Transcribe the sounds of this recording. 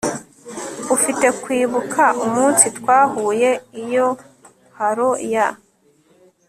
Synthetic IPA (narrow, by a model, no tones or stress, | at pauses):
ufite̞kwiːβukʰaumuːnsitwaːhuːje̞ijo̞ | haɾoja